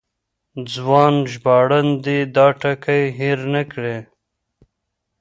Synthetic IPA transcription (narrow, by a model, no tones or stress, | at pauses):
d͡zwɑːnʒbɑːɽand̪id̪ɑːʈakajɦiɾnakɽe